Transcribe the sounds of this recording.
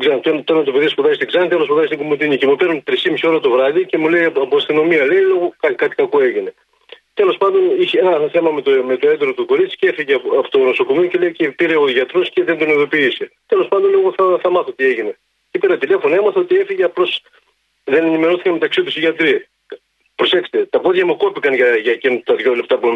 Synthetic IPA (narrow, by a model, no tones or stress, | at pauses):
ɡzɐnt̪oenɐt̪oenɐt̪ope̞ðiɐspoðɐzist̪iɡzɐnit̪elospoðɐzist̪ɡomut̪iɲicemupe̞ɾnunt̪ɾisimisio̞ɾɐt̪o̞vɾɐðice̞mule̞jɐɐpoɐst̪ino̞miɐlejloɣokɐkɐt̪i̥kɐkoe̞ʝine̞ | t̪e̞lo̞spɐnd̪o̞niçeenɐθe̞mɐmet̪ome̞t̪oed̪ɾot̪uko̞ɾit͡si̥cee̞fiʝeɐfo̥t̪oɣnoso̞ko̞miocelejicepiɾe̞oʝɐt̪ɾosceðend̪oneðo̞piːset̪elo̞spɐnd̪o̞nloɣoθɐθɐmɐθot̪ie̞ʝine̞ | ceipeɾɐt̪ile̞fo̞nemɐθo̞t̪ie̞fiʝeɐplo̞s | ðe̞nenime̞ɾoθikɐme̞t̪ɐksit̪usiʝɐt̪ɾi | pɾo̞se̞kse̥t̪et̪ɐpo̞ðʝɐmuko̞pikɐnʝɐʝɐcent̪ɐðʝo̞lept̪ɐpu